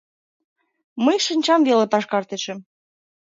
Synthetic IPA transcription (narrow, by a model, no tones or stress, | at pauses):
məjʃənʲt͡ɕɑmvelepɑʃkɑrt̪eʃə̆m